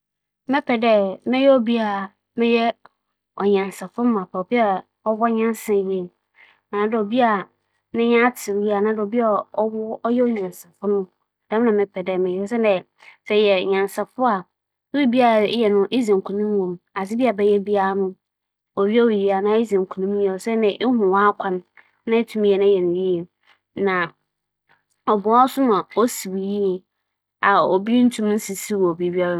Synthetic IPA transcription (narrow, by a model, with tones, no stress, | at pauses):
mɪ̃˦pʰɛ˨dɛ˦mɛ̃˦jɛ˦ɔ˦bi˦a˨ | mɪ̃˦jɛ˦ | ɔ˨ɲã˨n˨sɛ˨fʊ̃˦mʊ̃˦a˨pʰa˨bi˦a˦ | ɔ˦wɔ˦ɲã˦nsɛ̃˨jɛ˦˨ | nã˨˦dɪ˨ɔ˨bi˦a˨ | nɪ̃˦ɲã˦tʰɪ˨wi˦a˨nã˨˦dɪ˨ɔ˨bi˦a˦˨ɔ˦wʊ˦ɔ˦jɛ˦ɔ˦ɲã˨nsɛ˨fʊ˦nʊ̃˦ | dɛ˦ã˨mɪ̃˦pʰɛ˨dɛ˨mɪ̃˨jɛ˦s̬ɛ˦dɛ˨ | sɛ˨jɛ˨ɲã˨n˨sɛ˨fʊ˦a˨˦ | i˦bi˦a˦a˨˦jɛ˨nʊ̃˦ʔe˦zã˨ŋ˨kʰu˨nũ˦m˦wõ˨ma˨sɪ˦bi˦a˨bɛ˦jɛ˦bi˦a˦a˦nʊ̃˦ | ɔ˨ɥi˦ɔ˦wi˨ji˦a˨nã˨˦i˦zã˨ŋ˨kʰu˨nũ˦m˦jɛ˨sɛ˦nɪ̃˨ʔɪ˦hʊ̃˨wã˦kʷʰã˦n | nã˦e˦tʰũ˦m˦ɛ˨nã˦jɛ˨nʊ̃˨ji˦e˨ | nã˨ | ɔ˨bʊ˨a˦sʊ˦mã˨ɔ˦si˨wi˨ji˦ɛ˨ | a˨o˨bi˦n̩˦tʰũ˦m˦n̩˦si˨si˦wo˨bi˨˦bi˦a˦ɾa˦